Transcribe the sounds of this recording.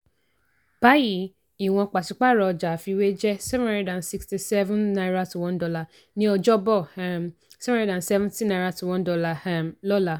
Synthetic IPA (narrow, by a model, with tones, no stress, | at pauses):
b̥a˨˦ji˦˨˦ | i˨w̃ɔ̃˧k͡pa˨si˨˧˦k͡pa˦˨ɾɔ˧d͡ʒa˨fi˧we˦d͡ʒɛ˦sɛ˦vã˦ã˦n˦dã˨nsi˧ksti˨sɛ˦vũ˦nna˧jɾa˧tu˨wɔ̃˦ndɔ˧la˧˨ | nĩ˦ɔ˧d͡ʒɔ˦bɔ˦˨ | sɛ˦ṽã˨n˨sɛ˦vɛ̃˦ntĩ˦nã˧ɾa˧tu˨wɔ̃˦n˦dɔ˧la˧˨a˨mlɔ˦la˧